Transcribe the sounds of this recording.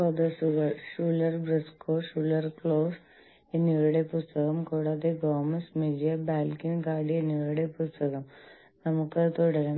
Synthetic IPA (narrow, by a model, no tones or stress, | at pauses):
pɐd̪ɐsuɣɐɭʂuːlɐrbɾɐskoːʂuːlɐrkɭoːs | enːiʋɭuɽe̞pust̪ɐkɐmkuːɽaːd̪eɡoːmɐsmidijɐbaːlkinɡaːɖienːiʋɭuɽepust̪ɐkɐm | nɐmukːɨt̪uɽɐɾɐm